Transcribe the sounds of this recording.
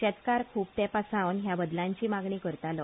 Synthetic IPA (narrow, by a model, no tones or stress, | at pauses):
t͡ɕɛt̪kaɾkʰuːp̚t̪ɛ̃pasãʋənɦjabəd̪lãɲt͡ɕiːmaɡɳiːkəɾt̪alɔ